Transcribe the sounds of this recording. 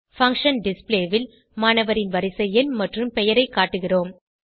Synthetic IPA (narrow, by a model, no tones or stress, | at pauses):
fɐŋkʂɐnɖɪspleːʋɪl | maːnɐʋɐɾɪnʋɐɾɪsɐjɐnmɐʈrɯmpɛjɐɾɐɪkːaːʈːɯɣɪroːm